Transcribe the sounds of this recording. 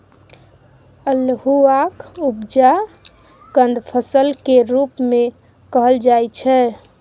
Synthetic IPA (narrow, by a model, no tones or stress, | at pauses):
əlhuakubd͡ʒa | ɡ̥ənd̪ʱpʰəsəlkeɾupme | kəɦəld͡ʒajt͡ʃʰɛ